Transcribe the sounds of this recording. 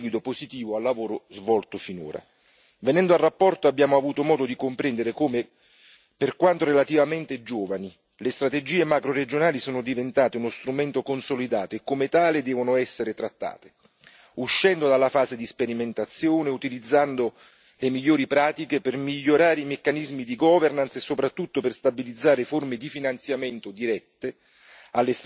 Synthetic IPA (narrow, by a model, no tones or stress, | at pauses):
ɡwid̪opozit̪iːvoalːavoːɾozvɔlt̪ofino̰ːɾa̰ | venɛnd̪oalrːapːɔrt̪oabːjaːmoavuːt̪omɔːd̪od̪ikompɾɛnd̪eɾekoːme | perkwant̪orɾelat̪ivament̪ed͡ʒoːvani | lest̪ɾat̪ed͡ʒiːemakɾoɾed͡ʒonaːlisoːnʊd̪ivent̪aːt̪eunost̪ɾumɛnt̪okonsolid̪aːt̪oekːomet̪aːled̪ɛːvonʊɛsːeɾet̪ɾat̪ːa̰ːt̪e̥ | uʃːɛnd̪od̪alːafaːzed̪ispeɾiment̪at̪sːjoːneut̪ilid̪zːand̪o | lemiʎːoːɾipɾaːt̪ikepɪrmiʎːoɾaːɾeimekːanizmid̪iɡɔvernansesːopɾat̪ːut̪ːoperst̪abilid̪zːaːɾeformed̪ifinant̪sjament̪od̪iɾɛt̪ːe | alːes